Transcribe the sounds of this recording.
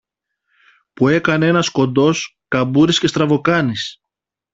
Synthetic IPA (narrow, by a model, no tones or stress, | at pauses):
pue̞kɐnee̞nɐsko̞nd̪o̞skɐbuɾisce̞st̪ɾɐvo̞kɐnis